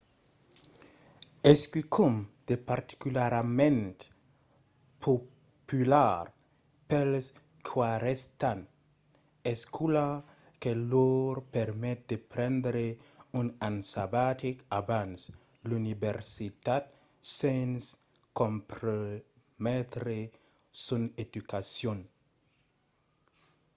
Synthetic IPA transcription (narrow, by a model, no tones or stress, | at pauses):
eskykʰumd̪̥epaɾt̪i̥kylaɾmẽnt̪ | pʰo | pylaɾ | pels | kʰwaɾest̪an | eskʰula | keloɾpɛɾmɛt̪̚d̪epɾɛ̃nd̪ɾeunansabat̪ikabans | lunibeɾsit̪at̪̚ | sens | kompɾo | mɛt̪ɾe | suned̪ukasjon